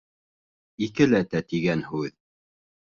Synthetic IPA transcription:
ikɘlæt̪æt̪iɡænhʉð

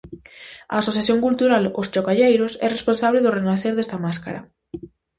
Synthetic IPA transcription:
a̰ːsoθjaθjoŋkult̪uɾalʊst͡ʃokaʎejɾʊsɛ̰responsaβleðʊrenaθeɾðest̪ɐmaskaɾɐ̰

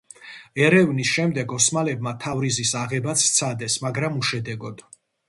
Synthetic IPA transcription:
ɛɾɛvnisʃɛmd̪ɛɡɔsmalɛb̚mat̪ʰavɾizisaʁɛbat̪sʰt̪sʰad̪ɛsmaɡɾamuʃɛd̪ɛɡɔd̪̥

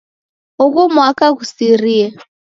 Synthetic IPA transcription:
ɦʊkumwakʼakusiriːɛ

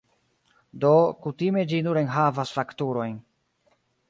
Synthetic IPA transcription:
do̞kutime̞d͡ʒinuɾenɦavasfaktuɾo̞jn

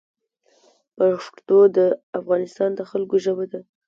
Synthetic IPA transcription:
paʂt̪od̪əafɣɑnɪst̪ɑnd̪əxalkoʒəbad̪a

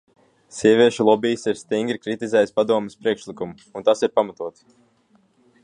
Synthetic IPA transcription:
siɛvʲiɛʃulˠɔbijsiɾst̪iŋɡɾikɾit̪izɛjspad̪uɔmɛspɾiɛkʃlˠikumu | unt̪asiɾpamat̪uɔt̪s

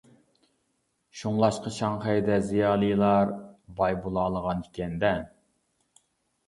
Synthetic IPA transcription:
ʃuŋlˠɑʃqɑʃɑŋχɛjd̪ɛzijɑːlˠɨjlˠɑɾbɑjbulˠɑːlˠəʁɑnikʲʰɛnd̪ɛ

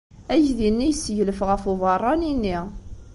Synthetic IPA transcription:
æʝðinːijəsːʝləfʁəfuvɑrˤːɑninːi

